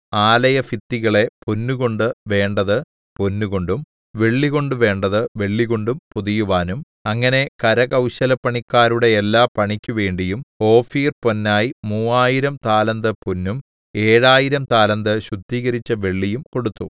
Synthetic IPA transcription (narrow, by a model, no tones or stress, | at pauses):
aːlɐjɐfit̪ːiɣɐɭe̞punːuɣo̞ɳɖɨʋe̞ːɳɖɐðɨ | ponːuɣo̞ɳɖum | ʋe̞ɭːiɣo̞ɳɖɨʋe̞ːɳɖɐðɨʋe̞ɭːiɣo̞ɳɖumpuðijuʋaːnum | ɐŋːɐne̞kɐɾɐkɐwɕɐlɐpːɐɳikːaːɾuɽe̞ːlːaːpɐɳikʲːuʋe̞ːɳɖijumo̞ːfiːrponːaːjimuːaːjiɾɐmt̪aːlɐnd̪ɐpunːum | e̞ːɻaːjiɾɐmt̪aːlɐnd̪ɐɕud̪ːiːɣɐɾit͡ɕːɐʋe̞ɭːijumko̞ɽut̪ːu